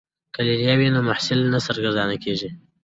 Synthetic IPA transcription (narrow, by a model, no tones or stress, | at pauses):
kəliljɑwinomaħsɪlnasaɾɡaɾd̪ɑnakeʐi